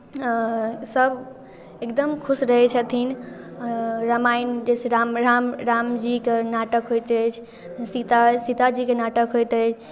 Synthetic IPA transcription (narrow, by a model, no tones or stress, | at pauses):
səb | ekd̪əmkʰusɾəɦɛt͡ʃʰət̪ʰin | ɾəmajnd͡ʒeseɾamɾamɾamd͡ʒikenaʈəkɦojt̪ɛt͡ʃʰ | sit̪asit̪ad͡ʒikenaʈəkɦojt̪ɛt͡ʃʰ